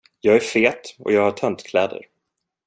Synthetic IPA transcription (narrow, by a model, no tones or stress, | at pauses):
jɑːɡæɾfeːt̪ɔ̰jɑːɡhaʈʰœnt̪kʰlɛːd̪ə̰ɾ